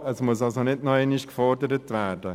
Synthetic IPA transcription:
əsmʊəs̬ɑlsonɪdnɔeniʃkfɔɾdəɾətʋæːɾd̥ə

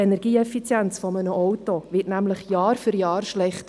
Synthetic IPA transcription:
enɛɾɡ̥iːɛfit͡sjɛnt͡sfɔmənəʔɔwtoʋɪtnæmləχjɑːɾfyɾjɑːrʃlɛχt

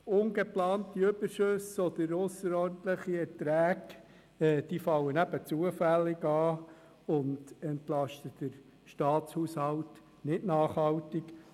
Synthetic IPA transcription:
ʊnɡeplɑːntiʏbəʃøsɔd̪əɾʊsəɾɔrnt̪ləχiɛtɾæːɡ | ɛːd̥iːfɑlːənæb̥ət͡suəfælːɪɡɑː | ʊndɛntlɑʃtəd̥əɾ | ʃtɑːt͡shushɑlt | nɪtnɑːχhɑwtɪk

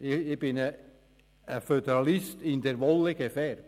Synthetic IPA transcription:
ɪɪb̥ɪnə | əfød̪ɛɾɑlɪstɪnd̪ɛɾʋɔlːəɡ̥efɛr

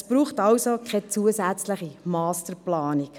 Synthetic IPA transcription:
spɾuːχtɑwsokʰɛt͡suəsæt͡sləχimɑːstəɾplɑːnik

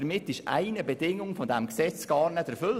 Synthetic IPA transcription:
ɾmɪtːɪʃa̰ɪnəbədɪŋʊŋfɔdæmksɛt͡sɡ̥ɑːrnəd̥əɾfʏl

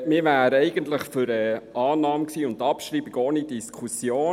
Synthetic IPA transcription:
miːɾʋæːɾəɛɪɡ̥ənt̪ləχfʏɾɛʔɑːnɑːmksiːʊnd̪ɑpʃɾiːbiɡoːnidiskʰusjoː

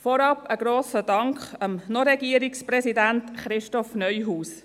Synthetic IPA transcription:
fɔɾɑpəɡɾoːsədɑŋkχɑmnoɾɛɡiəɾiksprɛsidæntχɾɪʃtɔfnœʏɦuːs

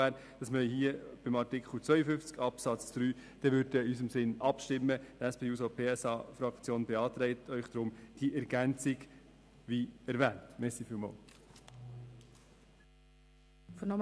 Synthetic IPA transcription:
æːɾ | d̥ɑsməhiːəb̥ɪmɑtɪkχl̩t͡sʋœʏəfʏnft͡skɑpsɑt͡sd̥ɾyːd̥ɛʋʏɾdəɪysəmsɪnɑpʃtɪmːəd̥æspʰeːuːsopʰeːɛsɑːfɾɑkt͡sjoːnbɛɑːt̪ɾɛɪtʰœʏχd̥̪ɾʊmd̥iʔɛɾɡ̥ænt͡sɪɡ | viɛɾvɛːntmɛsifiːlmɑ̰ːl | fnɔ

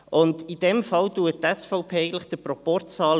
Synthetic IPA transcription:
ʔʊndid̥ɛmfɑltuətɛsfɔʊpʰeːeɪɡn̩tləχd̥̪əpɾɔpɔrtt͡sɑːl

